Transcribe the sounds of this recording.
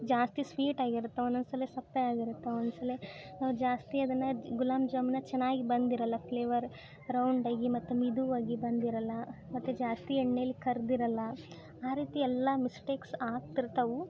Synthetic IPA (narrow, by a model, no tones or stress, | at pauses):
d͡ʒaːst̪isʋiːʈaːɡiɾut̪ːɐunɐnsɐlːesɐpːɐaːɡiɾut̪ːɐond̪sɐlenaːʋud͡ʒaːst̪iɐd̪ɐnːɐɡulaːmd͡ʒɐmnɐt͡ʃɛnːaːɡibɐnd̪iɾɐlːɐpleːʋɐɾ | ɾɐwɳɖaːɡimɐt̪ːumid̪uʋaːɡibɐnd̪iɾɐlːɐmɐt̪ːud͡ʒaːst̪iɛɳːelːikɐɾd̪iɾɐlːɐ | aːɾiːt̪iɛlːɐmisʈeːksaːk̚t̪iɾt̪ɐʋu